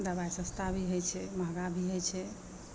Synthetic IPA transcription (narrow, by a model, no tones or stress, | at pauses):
d̪əbajsəst̪ʰabʱiɦojt͡ʃʰɛməɡabʱiɦojt͡ʃʰɛ